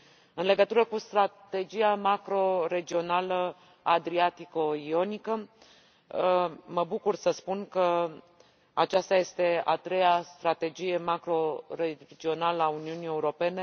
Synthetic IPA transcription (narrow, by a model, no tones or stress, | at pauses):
ɨnle̞ɡət̪uɾəkust̪ɾat̪e̞d͡ʒijamakɾo̞ɾe̞d͡ʒio̞nalə | ad̪ɾiat̪iko̞io̞nikə | məbukursəspunkə | at͡ʃast̪aje̞st̪e̞a̰t̪ɾe̞jast̪ɾat̪e̞d͡ʒije̞makɾo̞ɾe̞d͡ʒio̞naləauniunije̞uɾo̞pe̞ne̞